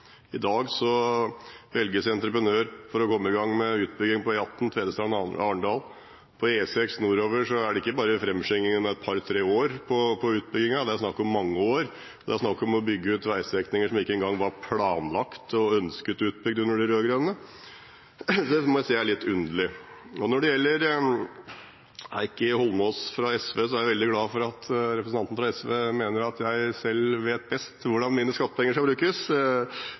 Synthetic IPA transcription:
ɪd̪ɑːɡsɔ | ʋɛlɡəsɛnt̪ɾəpɾənøːɾfɔɾɔkʰɔmːəɪɡɑŋːmɛʉːt̪̚bʏɡːɪŋpɔjɑt̪ːn̩t̪ʰʋeːd̪əst̪ɾɑːnɑːɳɖɑːl | pʰɔeːsɛksnuːɾoːʋəʂɔæɖɛɪkːəbɑːɾəfɾɛmːʂɪŋːɪŋənmɛɛt̪̚pʰɑɾt̪ʰɾeːoːɾpʰɔpʰɔʉːt̪̚bʏɡɪŋɑd̪ɛæɾsnɑkːɔmːɑŋːəoːɾ | d̪ɛæɾsnɑkːɔmɔbʏɡːəʉːt̪ʋæɪsʋɛknɪŋəʂɔmɪkːəɛnɡɑŋːʋɑɾpʰlɑːnlɑkt̪ɔœnskət̪ʉːt̪̚bʏɡ̚d̪ʉnːəɖɪɾøːɡɾɛnnə | sɔd̪ɛmɔæsiːæɭɪt̪ːʉnd̪əlɪ | ɔnɔɖɛjɛlːəɾ | ɪkːəhɔlmɔsfɾɑɛsʋeːsɔæɾjæɪʋɛld̪ɪɡlɑːfɔɾɑt̪ʰɾɛpɾəsn̩ɑnt̪n̩fɾɑɛsʋeːmeːnəɾɑt̪ʰjæɪsɛlʋeːt̪̚bɛst̪ʋʊɖɑnmiːnəskɑt̪ːəpʰɛŋːəʂkɑlbɾʉːkəs

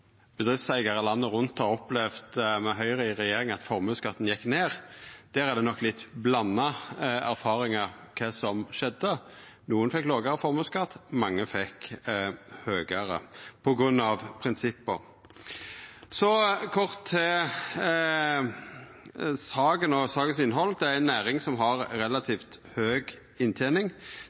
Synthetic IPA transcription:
b̥əd̪ʁɪfsæɪɡɑʁəlɑnːəʁʊnt̪ɔɔplɛʋt̪mɛɦœʏʁəɪʁɛjeːɾɪŋɑt̪fɔʁmʉːskɑt̪ːn̩jɛkːneːʁd̪̥æːʁæd̪ɛnɔkːlɪt̪ːblɑnːɑæɾfɑːʁɪŋɑʁkʰesɔmʃɛd̪ːə | nuːənfɛkːloːɡəɾəfɔʁmʉːskɑt̪ːmɑŋːəfɛk | høːɡəɾə̰pʰɔɡɾʉnːɑʋpʰɾɪnsɪpːə | sɔkʰɔʁt̪ʰːɛ | sɑːɡənɔsɑːɡəsɪnɦɔld̪ɛæɾænːæːɾɪŋsɔmɦɑɾɾɛlɑt̪ʰiːft̪høːɡ | ɪnt̪ʰeːnɪŋ

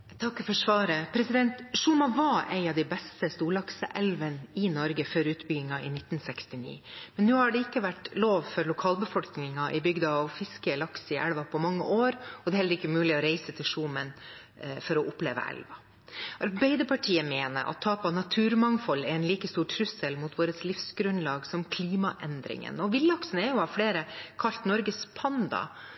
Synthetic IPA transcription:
t̪ʰɑkːfɔʂʋɑːɾəpʰɾɛsɪd̪ɛnt̪ʂuːmɑʋɑːʔɛɪɑʋd̪ɛɪbɛst̪əst̪uːlɑksəʔɛlʋənɪnɔɾɡəfœɾʉːt̪bʏɡɪŋɑɪnɪt̪ːn̩sɛkst̪ɪnḭːmɛnːʉːhɑɖɛɪkːəʋæʈloːʋfɔɾlʊkʰɑːlbəfɔlknɪŋɑʔɪbʏɡd̪ɑɑʋfɪskəlɑksɪʔɛ̰lʋɑpʰɔmɑŋːə̰ʔoːɾɔd̪ɛːhɛlːəɾɪkːəmʉːlɪɔɾeɪsət̪ʰɪlʂuːmən | fɔɾɔʔʊplḛːʋə̰ʔɛ̰lʋɑ | ʔɑɾbæɪd̪əpʰɑʈʰiːəmeːnə̰ɾʔɑ̰t̪ʰːɑːpɑnɑt̪ʰʉːɾmɑŋfɔlːɛɛnliːkəst̪uːʈʰɾʉsəlmut̪ʋoːɾəslɪfsɡɾʉnlɑːɡsɔmkʰliːmɑʔɛnd̪ɾɪ̰ŋə̰nɔʋɪlːɑksənəɛɾjʊhɑʋfleːɾəkʰɑlt̪nɔɾɡəspʰɑnd̪ɑ̰

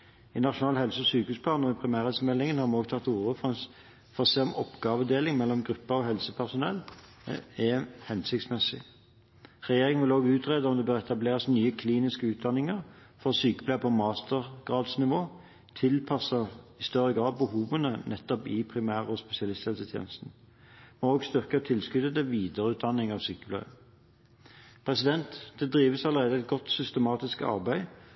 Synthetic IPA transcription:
ɪnɑʃʊnɑːlhɛlsəɔsyːkəʉːspʰlɑːnɔɪpʰɾɪmæːʁɛlsəmɛlːɪŋənhɑmɛɔːɡt̪ʰɑt̪ːuːʁəf | fɔʁɔseːɔmɔpɡɑːʋəd̪eːlɪŋmɛlːɔmɡʁʉpːəʁɔɦɛlsəpʰæʁsʊnɛlː | ɛhɛnsɪk̚t̪smɛsɪ̰ | ʁɛjeːɾɪŋənʋɪloːɡʉːt̪ʁeːd̪əɔmd̪ɛbøːʁɛt̪ɑbleːʁəsnyːəkʰliːnɪskəʉːt̪̚d̪ɑnːɪŋəʁfɔsyːkəpʰlæpʰɔmɑːst̪əʁɡ̥ʁɑːd̪snɪʋoː | t̪ʰɪlpʰɑsəɪst̪œʁəɡʁɑːd̪̚bəhuːʋənənɛt̪ːɔpɪpʰʁɪmæːʁəɔspɛsɪɑlɪst̪ɛlsət̪ʰjḛːnəst̪n̩ | mɛoːɡst̪ʏʁkət̪ʰɪlskʉd̪ət̪ɛʋiːd̪əʁəʉːt̪̚d̪ɑnɪŋɑːʋsyːkəblæə | pʰʁɛsɪd̪ɛnt̪d̪ɛd̪ʁiːʋəsɑləʁeːd̪əɛt̪̚ɡɔt̪sʏst̪əmɑːt̪ɪskɑ̰ʁbæɪ

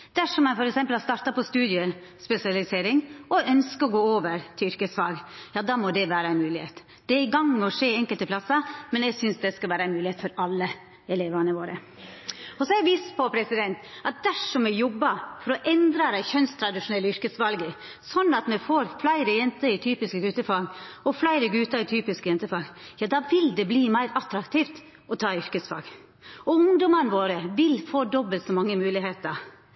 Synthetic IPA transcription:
d̪̥æʂɔmːɛfɔɾɛksɛmpəlɑst̪ɑːɾt̪ɑpɔst̪ʉːd̪ɪəspɛsɪɑlɪseːɾɪŋɔœnskəɔɡoːoːʋəɾt̪ʰɪʏɾkəsʋɑlɡjɑːd̪ɑːmɔd̪ɛʋæːɾəæɪnmʉːlɪheːt̪ | d̪̥ɛɾɪɡɑŋːmɛɔʂeːɛŋkəlt̪əpʰlɑsəmɛnɛɡsʏnsd̪ɛskɑlʋæːɾəæɪnmʉːlɪeːt̪fɔɾɑlːə | ɛleːʋɑnəʋoːɾə | ɔsɔɛɡʋiːst̪pʰɔpʰɾɛsɪd̪ɛnt̪ɑt̪̚d̪æʂɔmɛjɔbːɑfɔɾɔʔɛnd̪ɾɑd̪æɪçœnst̪ʰɾɑd̪ɪʂʊnɛlːəʏɾkəsʋɑlɡə | sɔnːɑt̪mɛfoːɾflæɪɾəjɛnt̪əɪt̪ʰyːpɪskəɡʉːt̪əfɑːɡɔflæɪɾəɡʉːt̪ɑɾɪt̪ʰyːpɪskəjɛnt̪əfɑːɡjɑːd̪ɑːʋɪld̪ɛbliːmæɪɾɑt̪ɾɑkt̪ʰiːft̪ | ɔt̪ʰɑːʏɾkəsfɑ̰ːɡ | ɔʊŋd̪ɔmənəʋoːɾəʋɪlfoːd̪ɔbəlt̪sɔmɑŋːəmʉːlɪheːt̪ə

